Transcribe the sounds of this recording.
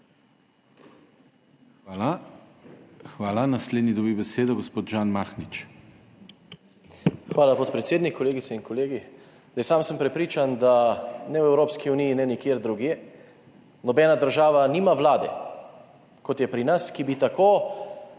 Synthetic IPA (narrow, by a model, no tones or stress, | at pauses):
aa | xʋaːlanasleːd̪nid̪ɔbibɛseːd̪ɔɡospoːt̪ʒaːnmaːxnit͡ʃ | xʋaːlapot̪̚pɾɛt̪seːd̪nikkːɔleːɡit̪sɛinkɔleːɡi | zajsaːmsəmpɾɛpɾiːt͡ʃand̪anɛwɛwɾoːpskiunijinɛnikjeːɾd̪ɾuɡjeː | nɔbɛːnad̪əɾʒaːʋaniːmaʋlaːd̪ɛ | kɔt̪jɛpɾinaskibit̪akoː